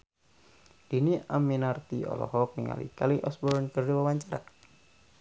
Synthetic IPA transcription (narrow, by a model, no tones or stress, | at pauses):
d̥iniaminart̪iɔ̰lɔ̰ɦɔk̚nḭŋa̰lḭkaliʔɔsbɔrnkərdiwawaɲt͡ʃaɾa̰